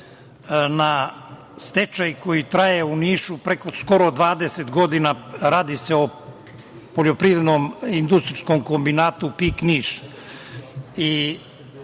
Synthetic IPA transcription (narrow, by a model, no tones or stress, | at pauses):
na | st̪et͡ʃajko̞jit̪ɾajeuniːʃupɾekoskoɾod̪ʋaːd̪eset̪ɡo̞d̪inaɾaːd̪iseo | poʎo̞pɾiʋɾed̪nomind̪ust̪ɾiskomkombinaːt̪upikniːʃ | i